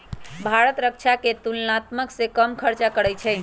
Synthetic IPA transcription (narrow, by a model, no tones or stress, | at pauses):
bʱaɾət̪ɾək̚t͡ʃʰaket̪ulnat̪məksẽkəmkʰəɾt͡ʃakəɽɛjt͡ʃʰɛɪ